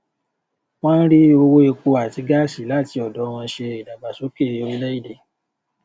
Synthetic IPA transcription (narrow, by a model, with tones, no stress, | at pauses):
w̃ã˦n̩˦ɾi˦o˧wo˦e˧ko˧a˨ti˨˧˦ɡa˦˨si˨˦la˦˨ti˧ɔ˨dɔ˨˦˧w̃ɔ̃˧ʃe˧i˨dã˨ba˨so˨˦ke˦˨o˨˧ɾi˦lɛ˦i˦˨de˨